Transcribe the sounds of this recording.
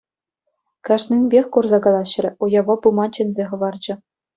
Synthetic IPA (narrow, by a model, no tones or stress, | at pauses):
kɑʂnʲɘnʲbʲexʲkurzɑɡɑlˠɑɕ̆rʲɘ̆ujɑʋɑbumɑt͡ɕɘ̆nʲzʲeχɤ̆ʋɑrd͡ʑɘ̆